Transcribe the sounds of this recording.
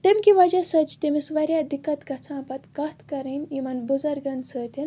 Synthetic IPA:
t̪emkʲiʋɐd͡ʒɐsɐd͡ʒt̪emisʋɐɾʲjaːd̪ikːɐt̪ɡɐt͡sʰãːpɐt̪kɐt̪ʰkɐɾɐnʲimɐnbuzɐɾɡɐnsəːt̪in

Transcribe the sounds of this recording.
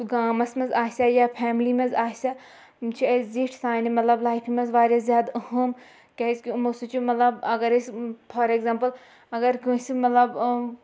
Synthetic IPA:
ɡaːmɐsmɐzaːsʲɐjapʰɛːmlimɐzaːsʲa | t͡ʃʰiɐziʈʰsaːjnimɐt̪lɐblaːjpʰĩŋmɐzʋaːɾjɐzjaːd̪ɐɦɐm | kʲɐɦiskimɐsut͡ʃumɐt̪lɐbɐɡɐɾispʰɐɾeɡzaːmpɐl | ɐɡɐɾkosimɐt̪lɐb

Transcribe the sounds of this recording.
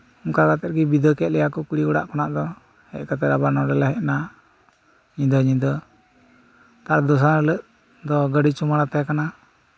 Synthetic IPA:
umkakat̪ɛɾɡibid̪ɔkɛʔ̪̚lɛjakɔkuɽiɔɽa̰ʔkɔnaʔd̪ɔ | hɛ̰ʔ̚ˀkat̪ɛɾabanɔɖɛlaɦɛʔna | ɲid̪ɔɲid̪ɔ | t̪aɾd̪ɔs̬anɾələʔ | d̪ɔɡəɖit͡ʃumaɽat̪ɛkana

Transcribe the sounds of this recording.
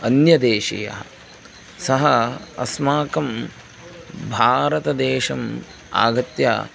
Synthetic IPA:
ɐnjɐd̪eːʃḭjɐ̰ɦɐ | sɐɦɐɐ̰smaːkɐm | bʱaːɾɐt̪ɐd̪eːʃɐm | a̰ːɡɐt̪ja̰ː

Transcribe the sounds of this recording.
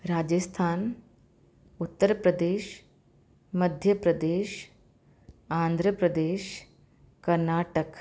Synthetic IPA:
ɾaːd͡ʒəst̪ʰaːn | ut̪ːəɾpɾəd̪eːʃ | məd̪ʱjəpɾəd̪eːʃ | ãːnd̪ʱɾəpɾəd̪eːʃ | kɐɾnaːʈək

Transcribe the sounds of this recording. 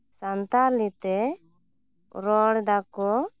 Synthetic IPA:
sant̪aɾlit̪ɛ | ɾɔɽd̪akɔ

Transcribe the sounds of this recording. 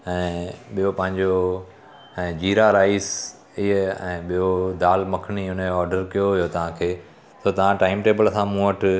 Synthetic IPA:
ɛ̃ːɓijopɐ̃ɦɪ̃ɲd͡ʑo | ɛ̃ːd͡ʑiːɾaɾaːɪs | ɪɛ̃ːɓijod̪aːlmɐkʰɽ̃iʊneɔːɾɖəɾkijoɦʊjot̪ɐʋ̤ãkʰeː | soːt̪ɐʋ̤ãʈaːɪmʈeːbəlsãmũːəʈʰ

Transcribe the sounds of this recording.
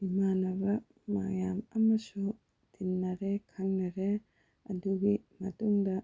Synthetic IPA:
imanɐbɐ | ma̰jamɐmɐsu | t̪inːɐɾekʰaŋnɐɾe | ɐ̰duɡimɐtuŋdɐ

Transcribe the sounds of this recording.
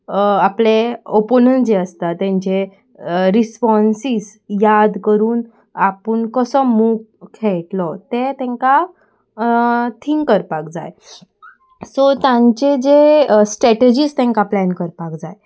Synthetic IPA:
apleoponənd͡ʑeəst̪at̪ãɲt͡ɕe | ɾispɔnsiːsjad̪kəɾuːn | apəɳkəsɔmukkʰeɭʈlɔt̪et̪ɛ̃ŋka | t̪ʰiŋkːəɾpakd͡za̰j | sɔt̪jãɲt͡ɕed͡ʑesʈɾɛʈed͡ʑiːst̪ɛ̃ŋkaplɛnkəɾpakd͡zaj

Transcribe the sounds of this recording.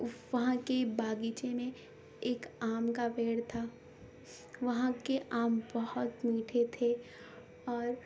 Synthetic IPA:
ʋɐɦãkebaːɡit͡ʃemẽ | eːkaːmkaʋeːɽt̪ʰaː | ʋɐɦãkeʔaːmbɐhʊt̪miːʈʰet̪ʰe | ɔːɾ

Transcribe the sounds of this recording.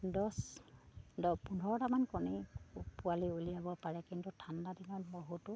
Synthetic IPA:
dɔs | dɔpunʱɔɹɔtamankɔnipualioliabɔpaɹɛkintutʰandadinɔbɔɦutʊ

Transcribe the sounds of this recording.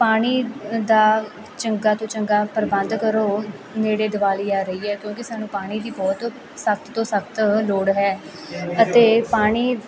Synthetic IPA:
paːɽ̃iːd̪aː | t͡ʃəŋɡaːt̪õːt͡ʃəŋɡaːpəɾbə̃nd̪kəɾoː | neːɽeːd̪ɪbaːliːaːɾəiːɦɛːkjõːkɪsaːnũːpaːɽ̃iːd̪iːbɔːt̪ | sək̚t̪t̪õːsəkt̪loːɽɦɛː | ət̪eːpaːɽ̃iː

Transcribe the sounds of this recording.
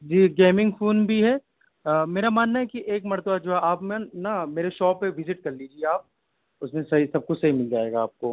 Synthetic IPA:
d͡ʒiːɡeːmɪ̃ŋɡfʰoːnbʱiɦɛː | meːɾamaːnːaɦɛkiʔeːkmɐɾt̪əbad͡ʒoːɦɛaːpmẽnameːɾeʃɔːpːeʋɪzɪʈ̚kɐɾliːd͡ʒieaːp̚ | ʊsmẽsɐɦisɐb̚kʊt͡ʃʰsɐɦimɪld͡ʒaːeːɡaːp̚koː

